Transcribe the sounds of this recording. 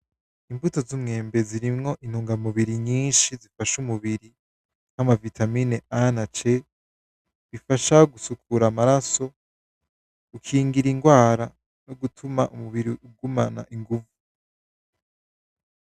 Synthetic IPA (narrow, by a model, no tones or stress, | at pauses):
imvuto̞zumŋe̞ːmbe̞ziɾimŋo̞ʔin̥huːŋɡamuβiɾiɲiːnʃizifaʃumuβiɾi | n̥hamavitʰamine̞anat͡ʃe̞ | βifaʃaɡusukʰuɾamaɾaso̞ | ukʰiːŋɡiɾiŋɡwaːɾa | noɡutʰumaʔumuβiɾiuɡumana̰ʔiŋɡuvu